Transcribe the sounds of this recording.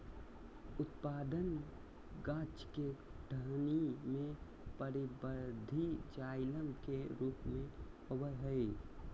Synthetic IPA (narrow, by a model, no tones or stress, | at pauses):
ʊt̪paːd̪ən | ɡãːt͡ʃkeɖʰʱəɦnimẽ | pəɾibəɾd̪ʱid͡ʒaɪləmkeɾuːpmẽobəɾɦəi